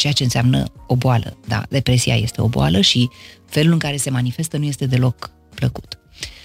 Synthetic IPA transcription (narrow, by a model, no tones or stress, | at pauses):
t͡ʃe̞jat͡ʃe̞ɨnseamnə̰o̞boalə̰d̪a̰d̪e̞pɾe̞sia̰je̞̰st̪e̞o̞̰bo̰a̰ləʃife̞lulɨŋkaɾe̞se̞manife̞st̪ənuje̞st̪e̞d̪e̞lo̞k | pləku̥t̪